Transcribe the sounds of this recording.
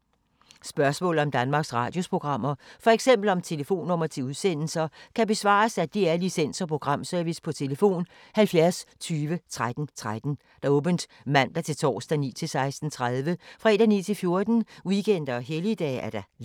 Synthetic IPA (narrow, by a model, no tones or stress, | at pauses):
sb̥ɶɐsmɔ̰̽ːlð̩ˠɒ̽md̥ænmɑ̈ːɡ̥sʁɑ̰̈ːd̥jo̝spʰʁo̝ɡ̥ʁɑ̈m̰ɐfɒ̽eɡ̥sem̰b̥l̩ɒ̽mt͡sʰe̝ləfo̝̰ːnɔ̽mɐt͡sʰe̝uðˠsen̰l̩sɐkʰæb̥e̝sʋɑ̰̈ːsæd̥iæɐlisen̰sɒ̽pʰʁo̝ɡ̥ʁɑ̈m̰sœɐʋispʰɒ̽t͡sʰe̝ləfo̝̰ːn | hælfjæɐst͡sʰyːʋət͡sʰʁad̥n̩t͡sʰʁad̥n̩ | d̥ɑ̈ɔ̽ːb̥ənd̥ | mæn̰d̥ɑ̈t͡sʰe̝lt͡sʰɒ̰ːsd̥ænḭːt͡sʰe̝lsɑ̈ɪsd̥n̩t͡sʰʁaðˠʋəfʁɛd̥ænḭːt͡sʰe̝lfjo̝ɐd̥n̩wiɡ̥en̰d̥ɐɒɦelid̥ɛ̰ːæɐɾ̥ɑ̈